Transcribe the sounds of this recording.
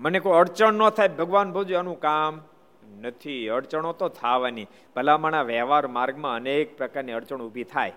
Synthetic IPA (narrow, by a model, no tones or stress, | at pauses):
mənekoəɽt͡ʃəɳːõt̪ʰajbʱəɡʋanbʱəd͡ʒuanũkam | nət̪ʰiəɾt͡ʃəɳ̃ot̪ot̪ʰaʋani | b̥ʱəlamaɽ̃aʋɛɦʋaɾmaɾɡmãənek̚pɾəkaɾniəɽt͡ʃəɳubʱit̪ʰaj